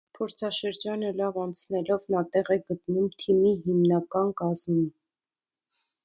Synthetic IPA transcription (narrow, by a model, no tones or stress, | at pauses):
pʰɔɾt͡sʰɑʃəɾd͡ʒɑnəlɑvɑnt͡sʰnɛlɔvnɑt̪ɛʁɛɡət̪numt̪ʰimiɦimnɑkɑnkɑzmin